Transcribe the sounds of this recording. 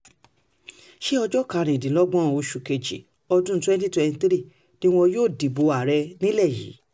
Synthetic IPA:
ʃe˦ɔ˧d͡ʒɔ˦ka˧˨ɾ̃ĩ˨dĩ˨lɔ˦ɡ͡bɔ̃˦˨o˧ʃu˨ke˧d͡ʒḭ˨ | ɔ˧dũ˦twɛ̃˦n˦ti˦twɛ̃˧ni˧t̪ɾi˦˨ | nĩ˦w̃ɔ̃˧joː˦˨di˨bo˨˧a˨ɾɛ˧nĩ˦lɛ˦˨jḭ˨˦

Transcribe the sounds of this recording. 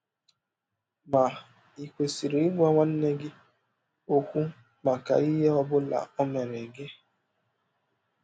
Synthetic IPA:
ma˨ | i˨kʷe˨si˨ɾi˨i˦ɡʷa˦ŋʷa˦n̩˦ne˦ɡɪ˦ | o˦kʷu˦ | ma˨ka̰˨i˦ɦe˦ɔ˦bʊ˦la̰˨ɔ˦me˨ɾe˨ɡe˦

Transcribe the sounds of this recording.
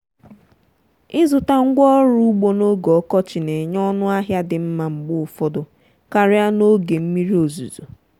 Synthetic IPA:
ɪ˦zʊ˨ta˦ŋ̩˦ɡʷɔ˦ɾu˦u˦ɡ͡bo˦no˦ɡɔ˨ɔ˦kɔ˦t͡ʃɪ˨ne˨ɲ˦ɔ˦nʊ˦a˦ɦja˦dɪ˨m̩˦ma˨ŋ͡m̩˨ɡ͡bʊ˦ʊ˨fɔ˦dʊ˨ | ka˨ɾɪ˦a˦no˦ɡe˨m̩˦mi˦ɾi˦o˨zṵ˨zṵ˨

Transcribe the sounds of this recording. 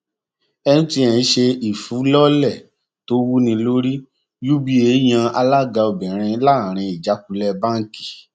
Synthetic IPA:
ɛ˧nũ˦ti˧˦ɛ̃˨˧ʃe˧i˨fu˨˦lɔ˦lɛ˦˨ | to˦wu˦nĩ˧lo˦ɾi˦ | ju˦bi˦e˨˦j̃ã˧a˧la˦˨ɡa˧o˧bɛ̃˨ɾ̃ĩ˧˦la˦˨ɾ̃ĩ˧i˨d͡ʒa˨˦k̚u˧lɛ˧bã˦ŋ˦˨ki̥˨

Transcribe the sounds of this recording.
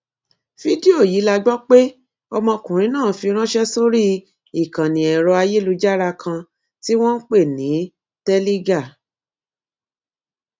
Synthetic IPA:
fi˦di˦o˦˨ji˨˦la˧ɡ͡bɔ˦k͡pe˦ | ɔ˧mɔ̃˧kũ˨ɾ̃ĩ˧˦nãː˦˨˦fi˧ɾ̃ã˦ʃɛ˦so˦ɾi˦ | i˨kã˨nĩ˨ɛ˨ɾɔ˧a˧je˦lu˧d͡ʒa˦ɾa˧kʰã˧ | ti˦w̃ɔ̃˦n̩˦k͡pe˦˨nĩ˨˦ | tɛ˦li˦ɡa˦˨

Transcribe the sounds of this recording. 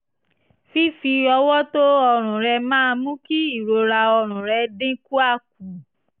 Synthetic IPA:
fi˦fi˧ɔ˧wɔ˦to˦ɔ˧ɾ̃ũ˨ɾɛ˧mãː˦˧mũ˦ki˦i˦˨ɾo˧ɾa˧ɔ˧ɾ̃ũ˨ɾɛ˧dẽ˦ku˦a˦˨k̚u˨

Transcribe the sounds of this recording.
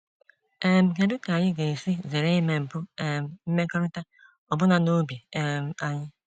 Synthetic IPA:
e˦m̩˨ke˨dʊ˦ta˨ɲɪ˦ɡe˨e˨si˦ze˨ɾe˦i˦me˨m̩˨pʊ˦e˦m̩˦m̩˦me˦kɔ˦ɾɪ˦ta˦ | ɔ˨bʊ˦na˨no˦bi˨m̩˦a˨ɲɪ˦

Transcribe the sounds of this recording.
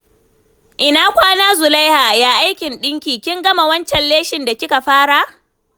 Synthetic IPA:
ʔɪ˨naː˦kʷaː˦naː˦zʊ˨la˦jhaː˨jaː˦ʔa˦jkʲɪ˨nɗɪ˦ŋkʲiː˨kʲɪ˦ŋɡɐ˦ma˨wɐ˦nt͡ʃɛ˨nleː˦ʃɪ˨nda˨kʲɪ˦ka˨ɸaː˦ɽa˦

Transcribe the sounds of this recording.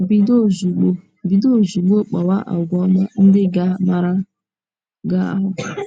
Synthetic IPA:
bi˦do˦zu˨ɡ͡bo˦˨ | bi˨do˦˨zu˨ɡ͡bo˦k͡pɔ˨wa˦ʔa̰˨ɡʷɔ˦ma˦n̩˦dɪ˦ɡa˦ma˦ɾa˦ | ɡa˦a̰˨ɦʊ˨

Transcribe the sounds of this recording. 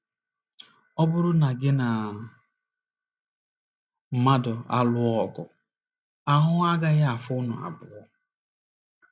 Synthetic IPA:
ɔ˦bʊ˦ɾʊ˦na˨ɡɪ˦na˨ | m̩˨ma˦dɔ˨a˦lʊ˦ɔ˦˨ɡʊ̰˨ | a˦ɦʊ˦a˦ɡa˦ɣa˦a˨fʊ˦nʊ̰˨a̰˨bʊ˨ɔ˦

